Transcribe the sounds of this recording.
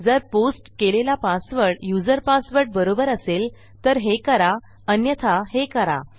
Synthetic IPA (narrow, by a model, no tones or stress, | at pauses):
d͡zəɾposʈkelelapasʋəɾʈjud͡zəɾpasʋəɾʈ̚bəɾobəɾəsel | t̪əɾɦekəɾa | ənjət̪ʰaɦekəɾa̰